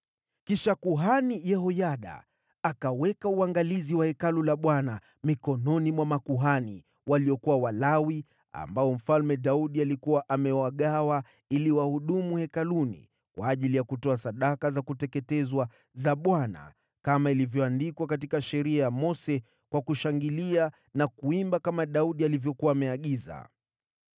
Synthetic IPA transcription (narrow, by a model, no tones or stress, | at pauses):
kiʃakuɦanijɛɦɔjaɗa̰ː | kawɛkauaŋɡaliziwahɛkalulaɓwana | mikɔnɔnimwamakuɦani | waliɔkuwawalawi | a̰mbaɔm̩falmɛɗauɗialikuwaʔamɛwaɠawa | iliwahuɗumuhɛkalunḭ | kwaːʄilijakutɔasaɗakazakutɛkɛtɛzwa | zaɓwana̰ | kamailivjɔandikwakat̬ikaʃɛɾiajamɔsɛ | kwakuʃaŋɡilia | nakuimbakamaɗauɗialivjɔkuwaːmɛaɠiza̰